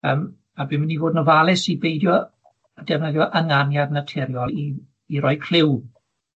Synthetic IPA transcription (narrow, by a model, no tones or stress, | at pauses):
əːm | abɪmɪnivoːdnɔvalˠɪsibejdjɔ | ədɛvnəðjɔʔəŋanjadnatʰɛɾjɔlˠiː | ɾɔjkʰl̥ɪw